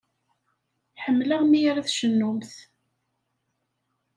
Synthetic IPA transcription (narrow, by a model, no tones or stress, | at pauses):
ħəmːlaʁmiɾaθʃənːʊmθ